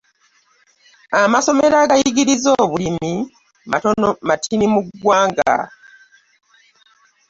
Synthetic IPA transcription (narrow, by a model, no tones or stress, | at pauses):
amaso̞me̞ɾaɡajiɡiɾizoːβulimi | matonomatʰinimuɡwaːŋɡa̰